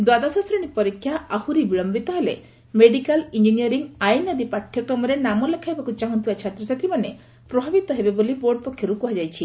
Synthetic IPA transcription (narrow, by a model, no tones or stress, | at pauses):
d̪wad̪asɔsɾɔɽ̃ipɔɾikʰːjaahuɾibiɭɔmbit̪ɔɦelḛ | meɖikalind͡ʒinijɔɾiŋajnɔd̪ipaʈʰjɔkɾɔmɔɾenamɔlekʰajbakut͡ʃaɦɔnt̪ibat͡ʃʰat̪ɾɔsat̪ɾimane | pɾɔbʱabit̪ɔɦebeboliboɾɖ̚pɔkʰjɔɾukuɦad͡ʒajt͡ʃʰi